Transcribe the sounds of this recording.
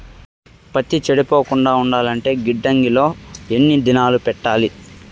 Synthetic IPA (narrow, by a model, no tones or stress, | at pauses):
pɐt̪ːit͡ʃeɽipo̞ːkuɳɖaːuɳɖaːlɐɳʈe̞ːɡiɖːɐŋɡilo̞ːenːid̪inaːlupɛʈːaːli